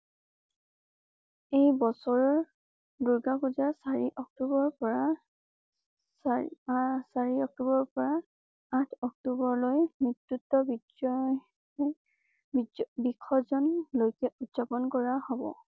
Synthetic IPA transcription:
ejbɔsɔɹɔɹ | duɹɡakuzasaɹiʔɔk̚tubɔɹpɔɹa | s | saɹiɔk̚tubɔɹpɔɹa | atʰɔk̚tubɔɹlojmitɹutːɔbi | ɔ | bikʰːɔzɔnlojkɛʔutz̥apɔnkɔɹahɔbɔ̰

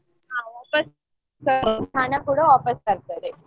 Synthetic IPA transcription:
ɦaːʋaːpɐs | kɐt̪ʰanɐkuːɽɐʋaːpɐskɐɾt̪ɐd̪e

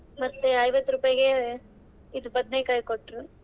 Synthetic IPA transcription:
mɐt̪ːeɐjʋɐt̪ːɾuːpɐjɐɡe | id̪upɐd̪nekɐjkoʈːɾu

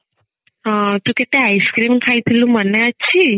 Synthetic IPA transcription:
ət̪ũkeʈ̪eajskɾimkʰajt̪ʰilũməneətːʃʰi

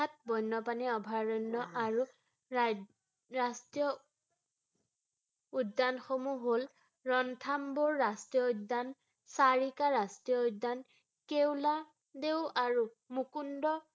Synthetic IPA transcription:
at̚bɔjnːɔpaniɔbʱaɹɔnːɔʔaɹu | ɹastijɔ | udːanxomuɦol | ɹɔntʰambɔɹːastijɔudːan | saɹikaɹastijɔudːan | kewla | deʊaɹu | mukundɔ

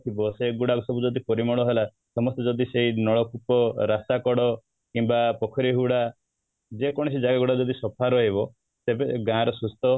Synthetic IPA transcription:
t̪ʰibɔseɡuɽakusɔbud͡ʒɔd̪ikɔɾimɔɭɔɦela | sɔmɔst̪ed͡ʒɔd̪iseɦinɔɭɔkupɔɾasakɔɽɔ | kimbapɔkʰɔɾiɦuɽa | d͡ʒekɔɽ̃ɔsid͡ʒaɡaɡuɽad͡ʒɔd̪isɔpʰaɾɔɦeβɔ | t̪ebeɡãɾɔsust̪ɔ

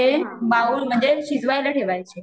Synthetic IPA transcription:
emaulm̤ə̃ɲd͡ʑeɕizʋajlaʈʰeʋajt͡ɕʰe

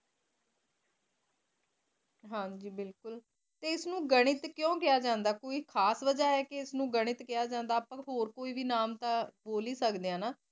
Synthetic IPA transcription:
ɦãːd͡ʒiːbɪlkʊl | t̪eːɪsnũːɡəɽ̃ɪt̪kjõːkɪjaːd͡ʒãːnd̪aːkoːiːkʰaːsʋəd͡ʒaːɛːkeɪsnũːɡəɽ̃ɪt̪kɪjaːd͡ʒãːnd̪aːpãːɦoːɾkoːiːʋiːnaːmt̪ãːboːliːsəkd̪ejãːnaː

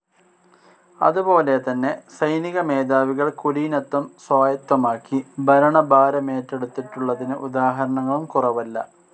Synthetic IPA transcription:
ɐ̰ðupo̞ːle̞t̪ɐnːe̞sɐjniɣɐme̞ːd̪aːʋiɣɐɭkulinɐt̪ːɐmswaːjɐt̪ːɐmaːkːibʱɐɾɐɳɐbaːɾɐme̞ːtːeɽut̪ːiʈːuɭːɐðinɨʔud̪aːɦɐɾɐɳɐŋːɐɭumkurɐʋɐlːɐ̰

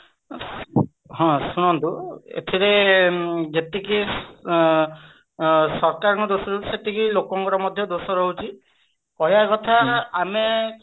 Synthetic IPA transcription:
ɦɔ̃sunɔnt̪uḛt̪ʰiɾe | d͡ʒet̪eki | sɔɾkaɹɔ̃ŋkɔd̪osɔɾɔiset̪ikilokɔŋkɔɾɔmɔd̪ʱjɔd̪osɔɾɔɦut͡ʃʰi | kɔɦjakɔt̪ʰaːme

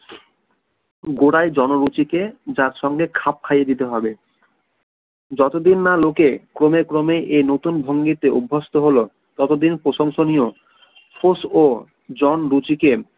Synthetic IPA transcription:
ɡoɽajd͡ʑɔnoɾut͡ɕiked͡ʑaɾʃɔŋɡekʰap̚kʰajed̪it̪eɦɔbe | d͡ʑɔt̪od̪inːalokekɾomekɾomeʔejnot̪unbʱoŋɡit̪eubʱːost̪oɦolo | t̪ɔt̪od̪inpɾoʃoŋʃonijo | fʰoso | d͡ʑɔnɾut͡ɕike

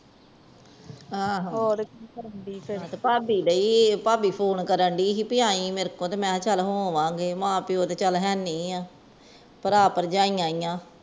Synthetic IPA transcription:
ãːɦodekːkəɾəɳɖiːpʰɾt̪eːpaːbiːləiːpaːbiːpʰoːnkəɾəɳɖiːɦiːpɪjãːĩːmeɾkõːt̪eːmɛ̃ːt͡ʃəlɦoːʋãːɡeːmãːpɪoːt̪eːt͡ʃəlɦɛːnĩːãː | pəɾaːpəɾd͡ʒãːĩːãːijãː

